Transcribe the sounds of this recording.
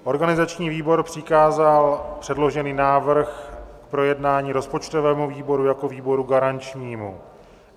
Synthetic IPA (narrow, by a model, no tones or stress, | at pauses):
ʔo̞ɾɡanɪzat͡ʃɲiːviːbo̞ɾpr̥ɪkaːzalpr̝̥ɛdlo̞ʒɛniːnaːvr̩xkpɾo̞jɛdnaːɲiːɾo̞spo̞t͡ʃt̪o̞vɛːmuviːbo̞ɾujako̞viːbo̞ɾuɡaɾant͡ʃɲiːmu